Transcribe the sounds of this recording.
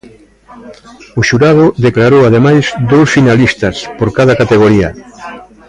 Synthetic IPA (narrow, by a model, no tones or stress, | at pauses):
ʊʃuɾað̞ʊðeklaɾowað̞emajzd̪owsfinalist̪aspoɾkaðakat̪eɣ̞oɾia̰